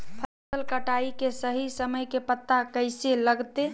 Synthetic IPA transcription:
pʰə | səlkəʈaikesəɦisəməjkepət̪ːakəɪseləɡt̪e

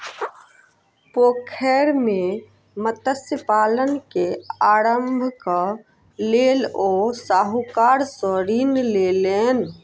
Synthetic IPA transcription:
poːkʰɛɾme | mət̪əsjəpaːlənkeaːɾəmbʱka | leːloːsaːɦukaːɾsəɾiːnleːleːn

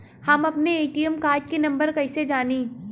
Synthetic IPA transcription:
hɐmɐpneeːʈijəmkaːɾʈ̚kinɐ̃mbəɾkɐɪsed͡ʒaːniː

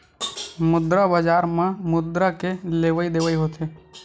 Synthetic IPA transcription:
mʊd̪ɾabad͡ʒaːɾmãmʊd̪ɾakeleːʋəid̪eːʋəiɦot̪eː

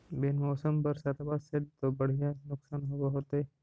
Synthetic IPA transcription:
bɪnmɔːsəmpɐɾsat̪ʰabaːsɪd̪̚t̪obɐɽ̤ijanʊksaːnɦoɡaɦoːt̪e

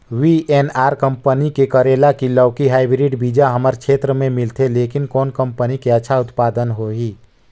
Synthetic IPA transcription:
ʋiʔeːnaːɾkə̃mpənikekəɾeːlakilɔːkiɦaːibɾiɖbid͡ʒaɦəməɾkʃʰeːt̪ɾəmẽmɪlt̪ʰeleːkɪnkɔːnkə̃mpənikeətːʃʰaʊt̪paːd̪ənɦoɦiː

